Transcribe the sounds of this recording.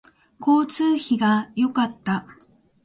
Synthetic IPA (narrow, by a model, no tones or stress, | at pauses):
kʰo̞ːt͡sɨːçiɡajo̞kat̪ːa